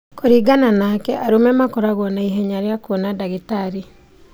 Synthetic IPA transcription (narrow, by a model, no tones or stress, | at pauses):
koɾiɡananakɛʔaɾumɛmakoɾaɣɔnaiɦɛɲaɾjakwonadaɣitaɾi